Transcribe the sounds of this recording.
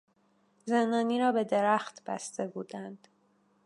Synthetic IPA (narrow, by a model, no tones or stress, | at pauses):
zend̪ɒːniːɾɒːbe̞d̪e̞ɾæxt̪b̥æ̰st̪e̞buːd̪ænd̪̥